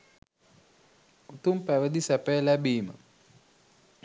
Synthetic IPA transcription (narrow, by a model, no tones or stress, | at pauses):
ut̪umpæʋəd̪isæpəjlæbiːmə̰